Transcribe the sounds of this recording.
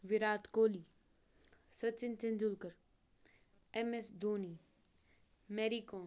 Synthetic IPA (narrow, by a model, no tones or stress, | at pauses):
ʋɪɾaːt̪koːliː | sɐt͡ʃɪnt͡ʃɪnd͡ʒʊlkəɾ | ɛmesd̪oːniː | meːɾiːkoː